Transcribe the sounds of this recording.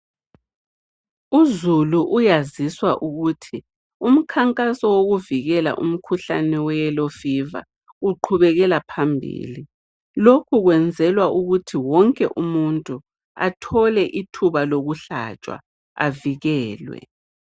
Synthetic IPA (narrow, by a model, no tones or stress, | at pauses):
uzuluʔujaziswaʔuɣutʰi | um̩kʰaŋkʼasɔwoɣuviɣɛla̰ʔum̩kʰuɬanɛwɛjɛlɔfiva̰ | uǃʰuβɛɣɛlapʰambʱḭli | lokʰuɣwɛnd͡zʱɛlwaʔuɣutʰiwɔŋkʼɛʔumuntʼu | a̰tʰɔlɛʔitʰuβaloɣuɬa̰t͡ʃʼwa̰ | a̰viɣɛːlwɛ̰